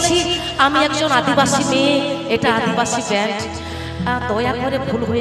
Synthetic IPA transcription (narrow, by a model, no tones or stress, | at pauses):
t͡ɕʰi | amiɛkd͡ʑonad̪ibaʃimeeʈaad̪ʱibaʃibɛɳʈ | d̪ɔjakd̪ʱɔɾebʱulɦoe